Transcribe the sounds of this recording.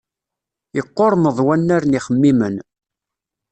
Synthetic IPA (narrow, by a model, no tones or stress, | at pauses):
jəqːoɾˤməðˤwænːaɾniχəmːimən